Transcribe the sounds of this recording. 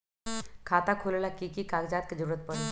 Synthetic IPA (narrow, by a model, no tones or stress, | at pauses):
kʰaːt̪akʰolelakikikaːɡd͡ʒaːt̪ked͡ʒəɾuːɾət̪̚pəɽe